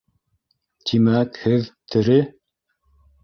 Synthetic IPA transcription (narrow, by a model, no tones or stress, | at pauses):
t̪imækhɘðt̪ʰɘ̆ɾɘ